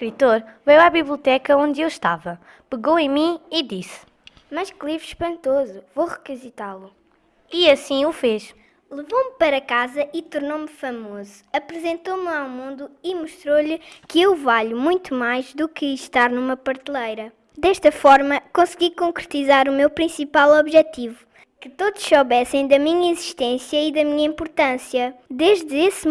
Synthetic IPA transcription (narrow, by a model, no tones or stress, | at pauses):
ʃkɾit̪oɾvejwaβiβlˠiut̪ɛkɐõnd̪ewʃt̪a̰vɐ | pɨɣowɐ̃j̃mĩiðis | mɐʃklˠivʃpɐ̃nt̪ozuvoʁɨkizit̪alˠu | iɐsĩufeʃ | lˠɨvompɐɾɐkazɐʔit̪uɾnomfɐmozuɐpɾɨzẽnt̪omawmũnd̪uimuʃt̪ɾoʎɨkɨewvaʎumũj̃t̪umajʒd̪ukɨʃt̪aɾnumɐpɐɾt̪lˠɐjɾɐ | d̪ɛʃt̪ɐfɔɾmɐkõsɣikõŋkɾɨt̪izaɾumewpɾĩsipalˠɔβʒɛt̪ivu | kɨt̪oðuʃsoβɛsẽj̃d̪ɐmiɲɐiziʃt̪ẽsjɐiðɐmiɲɐĩmpuɾt̪ɐ̃sjɐd̪eʒd̪ɨes